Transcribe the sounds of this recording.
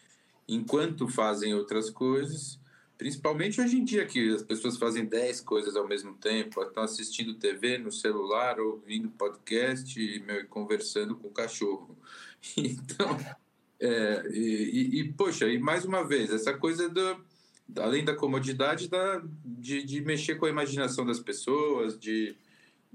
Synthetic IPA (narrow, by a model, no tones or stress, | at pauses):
ẽkwɐ̃nt̪ʊfazẽj̃owt̪ɾɐskojzɐs | pɾĩsi̥pawmẽt͡ʃɪojʒẽd͡ʒiɐkɪɐspesoɐsfazẽj̃d̪ɛjskojzɐzawmezmʊt̪ẽpʊat̪ɐ̃w̃asist͡ʃĩnd̪ʊt̪evenʊselulaɾowvĩnd̪ʊpɔd͡ʒkɛs̬t͡ʃɪmewɪkõveɾsɐ̃nd̪ʊkõʊkaʃohʊeẽt̪ɐ̃w̃ | ɛɛɪːpoʃɐɪmajzũmɐvezɛsɐkojzɐd̪ʊ | a̰lẽj̃d̪ɐkomod͡ʒid̪ad͡ʒɪd̪ɐd͡ʒɪd͡ʒɪmeʃekõɐimaʒinasɐ̃w̃d̪ɐspesoɐzd͡ʒɪ